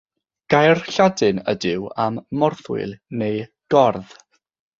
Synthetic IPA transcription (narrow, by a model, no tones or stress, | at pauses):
ɡ̥ajrɬadɨnə̰dɪwamːɔrθwɪ̰lnej | ɡ̥ɔrð